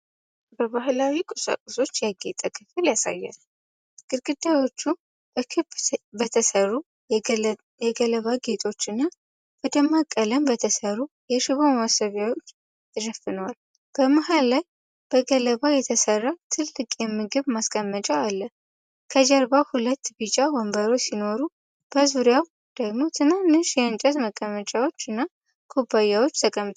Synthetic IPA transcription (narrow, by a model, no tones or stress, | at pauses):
bəβahlawikʼɨsə̰kʼuso̞t͡ʃːjaɡet̪ʼəkʰɨfɨljasa̰jːɛ̰n | ɡ̥ɨɾɡɨd̪ːawo̞t͡ʃːu | b̥əkʰɨbbət̪ʰəsəru | jɛɡələβaɡe̞t̪ʼo̞t͡ʃːɨnːa | b̥əd̪əmːakʼːələmbət̪ʰəsəɾujɛʃɪβomawasəβjawo̞t͡ʃː | ɨɾəfɨnwal | b̥əmaɦalːaj | b̥əɡələβajɛt̪ʰəsərːat̪ʰɨlːɨkʼjɛmːɨɡɨβmaskʼəmːət͡ʃʼəalːə | kʰəd͡ʒəɾbahulət̪ːbɨt͡ʃʼawəmbəɾo̞sino̞ɾu | b̥əzuɾjaw | d̪̥əɡmo̞t̪ʰɨnanːɨʃjɛɨnt͡ʃʼəzməkʼːəmət͡ʃʼawo̞t͡ʃːɨnːa | kʰobːajawo̞t͡ʃːt̪ʰəkʼəmt̪ʰʼ